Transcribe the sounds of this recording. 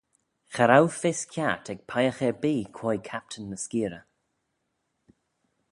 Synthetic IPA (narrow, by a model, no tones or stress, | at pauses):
xəɾawfɪskʰʲjatʰɛɡ̚pʰajəxɛɹbiːkʰwɔjkʰap̚tʰənːəskiːɾə